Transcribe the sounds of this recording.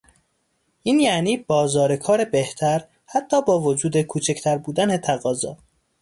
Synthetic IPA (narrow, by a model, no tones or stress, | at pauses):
ʔiːnjæniːbɒːzɒːɾekʰɒːɾe̞beht̪ʰæɾ | hæt̪ʰːɒːbɒːvod͡ʒuːd̪e̞kʰuːt͡ʃʰecʰt̪ʰæɾbuːd̪ænet̪ʰæɣɒːzɒː